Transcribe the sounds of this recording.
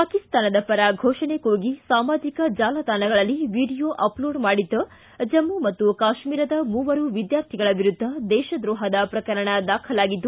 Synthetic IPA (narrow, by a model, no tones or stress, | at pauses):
paːkist̪aːnɐd̪ɐpɐɾaːɡʱoːʃɐɳekoːɡisaːmaːd͡ʒikɐd͡ʒaːlɐd̪aːnɐɡɐɭɐlːiʋiːɖijoʔɐploːɖmaːɽid̪ːɐ | d͡ʒɐmːumɐt̪ːukaːʃmiːɾɐd̪ɐmuːʋɐɾuʋid̪jaːɾt̪ʰiɡɐɭɐʋiɾud̪ʱːɐd̪ɛːʃɐd̪ɾɔːɦɐd̪ɐpɾɐkɐɾɐɳɐd̪aːkʰɐlaːɡid̪ːu